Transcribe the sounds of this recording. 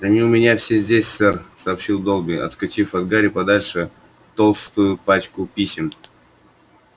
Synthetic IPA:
ɐnʲiʊmʲɪnʲafsʲezʲdʲesʲsɛrsɐːpɕilˠd̪olˠbʲɪʔɐ̰t̪kɐt͡ɕifɐd̪ɡaɾʲɪpɐd̪alʲʂɨ | t̪olˠst̪ʊjʊpat͡ɕkʊpʲisʲɪm

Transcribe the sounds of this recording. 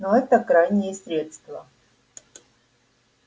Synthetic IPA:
noɛt̪əkɾajnʲɪjəsʲɾʲe̞t̪st̪və

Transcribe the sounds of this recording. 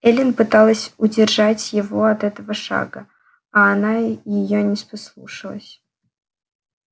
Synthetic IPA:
ɛlʲɪnpɨt̪alˠəsʲʊdʲɪrʐatʲjɪvoɐt̪ɛt̪əvəʂa̰ɡə | ɐːnajɪjonʲɪspɐslˠṵʂəlˠəsʲ

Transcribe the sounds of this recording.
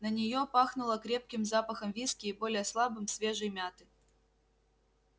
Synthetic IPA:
nənʲɪjopaxnʊlˠəkɾʲe̞p̚kʲɪmzapəxəmvʲiskʲɪːbo̞lʲɪjəslˠabɨmsvʲe̞ʐɨjmʲat̪ɨ

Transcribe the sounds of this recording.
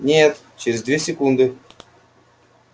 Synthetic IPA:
nʲet̪ | t͡ɕeɾʲɪzd̪vʲesʲɪkund̪ɨ

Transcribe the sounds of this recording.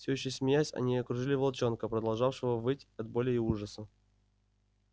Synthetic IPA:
fsʲoɕːɪjsmʲɪjæsʲɐ̰nʲiɐkɾʊʐɨlʲɪvɐlˠt͡ɕo̞nkəpɾəd̪ɐlˠʐɑfʂɨvəvɨtʲɐd̪̚bo̞lʲɪɪuʐəsə

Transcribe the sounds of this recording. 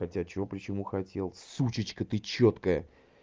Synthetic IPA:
xɐtʲat͡ɕɪvopɾʲɪt͡ɕɪmuxɐtʲe̞lˠsut͡ɕɪt͡ɕkət̪ɨt͡ɕot̪kəjə

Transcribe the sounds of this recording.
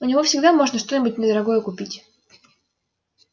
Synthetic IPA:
ʊnʲɪvofsʲɪɡd̪amo̞ʐnəʂt̪o̞nʲɪbʊt̚ʲnʲɪd̪əɾɐɡo̞jəkʊpʲitʲ

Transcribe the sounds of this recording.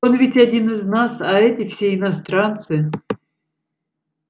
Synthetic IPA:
onvʲɪtʲadʲinɨznasɐɛt̪ʲɪfsʲeɪnɐst̪ɾant̪sɨ

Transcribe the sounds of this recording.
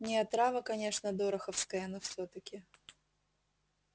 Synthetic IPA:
nʲɪɐt̪ɾavəkɐnʲe̞ʂnəd̪oɾɐxəfskəjənofsʲot̪əkʲɪ

